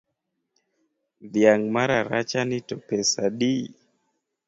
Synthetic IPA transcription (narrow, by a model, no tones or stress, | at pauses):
ðjaŋmaɾaɾat͡ʃanitɔpɛsaɗi